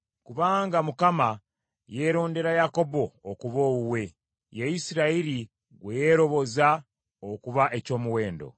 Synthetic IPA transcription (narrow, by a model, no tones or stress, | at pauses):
kuβaːŋɡamukama | je̞ːɾo̞ːnde̞ɾajako̞bo̞ːkuβoːwuwe̞ | jejisiɾaiɾi | ɡweje̞ɾo̞βo̞za | okuβaʔe̞co̞ːmuwe̞ːndo̰